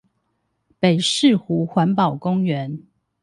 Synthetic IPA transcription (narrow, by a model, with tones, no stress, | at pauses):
pe˨˩ɪʂɻ̩˥˨xu˨˦xwa˧˦npɑ˨˩ʊkʊ˦ŋɥɛ˨˦n